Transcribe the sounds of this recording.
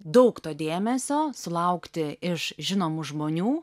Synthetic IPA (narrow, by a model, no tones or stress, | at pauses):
d̪ɐʊkt̪oːd̪ʲeːmʲɛsʲoːsʊlˠɐʊkt̪ʲɪɪʃʒʲɪnoːmuʒmoːnʲuː